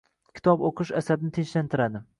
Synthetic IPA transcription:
kʲʰɪ̥t̪ʰɒboqʰɨʃasabnɪt̪ʰet͡ʃlant̪ʰɪɾad̪ɪ

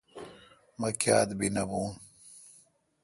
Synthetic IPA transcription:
mɐkja̰ːd̪binɐbuːn

